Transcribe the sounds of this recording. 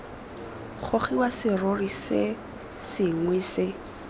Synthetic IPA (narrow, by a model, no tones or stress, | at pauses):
χoχiwasɪrorisɪ | sɪŋwɪsɪ